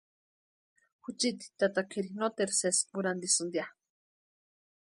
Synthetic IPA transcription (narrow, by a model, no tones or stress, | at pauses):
xut͡ʃit̪i̥t̪at̪akʰeɾinot̪eɾsesmuɾand̪isɨnd̪ja